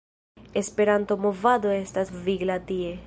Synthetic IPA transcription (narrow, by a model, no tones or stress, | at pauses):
e̞spe̞ɾanto̞mo̞vado̞e̞stasviɡlatie̞